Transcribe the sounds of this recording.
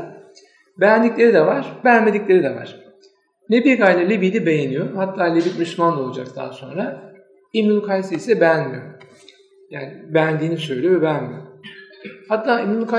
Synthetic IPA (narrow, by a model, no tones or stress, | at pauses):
bɛjænd̪iclʲe̞ɾid̪ɛvaɾ̥beænme̞d̪iclʲe̞ɾid̪ɛva̰ɾ̥ | nebiɾɡajlʲalʲibid̪ɛbe̞jenijohat̪ʰːaːlʲibit̪myʃʲmand̪aolˠud͡ʒa̰k̚t̪ʰa̰ːso̞nɾa | imnulˠkʰasiisɛbɛænmijo | jaːnɪbɛænd̪iːnisø̞jlʲijobɛænmijo | hat̪ʰːaːimulˠka